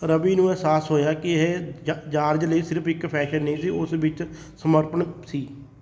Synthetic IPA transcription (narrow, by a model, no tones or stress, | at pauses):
ɾəbiːnũːɛɦsaːsɦoːjaːkɪeɦd͡ʒaːɾd͡ʒləiːsɪɾəpʰɪkpʰɛːʃənːəĩːsiːʊsʋɪt͡ʃ | səməɾpənsiː